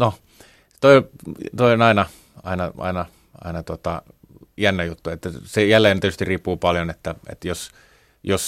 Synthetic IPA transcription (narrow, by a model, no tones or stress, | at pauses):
no | t̪oit̪oionɑinɑ | ɑ̰inɑɑ̰inɑ | ɑ̰inɑt̪ot̪ɑ | jænːæjut̪ːuet̪ːæsejælːeːnet̪yst̪iriːpːuːpɑljonet̪ːæḛt̪jos | jos